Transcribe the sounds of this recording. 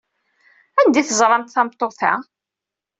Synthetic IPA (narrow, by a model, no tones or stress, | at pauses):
ænd̪iθəzˤɾˤɑnt̪θɑmt̪ˤːoθæ̰